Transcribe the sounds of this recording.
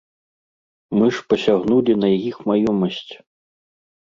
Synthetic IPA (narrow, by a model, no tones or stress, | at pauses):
mɨʂpɐsʲaɣnulʲinɐjajixmajɔmɐsʲt͡sʲ